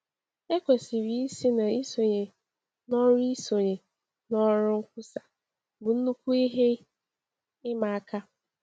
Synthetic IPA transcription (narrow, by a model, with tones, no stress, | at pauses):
e˦kʷe˨si˨ɾi˨˦i˦si˦na˨i˦so˨ɲe˨ | nɔ˦ɾi˦so˨ɲe˨ | nɔ˦ɾʊ˦ŋ̩˦kʷʊ˦sa˨ | bʊ˨n̩˦nu˦kʷu˦i˦ɦe˦ | ɪ˦ma˨a˦ka˦